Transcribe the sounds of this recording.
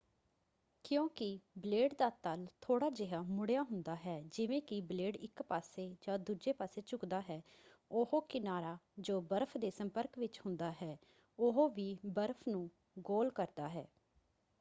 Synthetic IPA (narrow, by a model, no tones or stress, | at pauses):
kjõːkɪbleːɖd̪aːt̪əlt̪ʰoːɽaːd͡ʒɪɦaːmʊɽejaːɦʊnd̪aːɦɛːd͡ʒɪʋẽːkɪbleːɖɪkpaːseːd͡ʒãːd̪uːd͡ʒeːpaːseːt͡ʃʊkd̪aːɦɛːʊhoːkɪnaːɾaːd͡ʒoːbəɾpʰd̪eːsəmpəɾkʋɪt͡ʃhʊ̃nd̪aːɦɛː | ʊɦoːʋiːbəɾpʰnũː | ɡoːlkəɾd̪aːɦɛː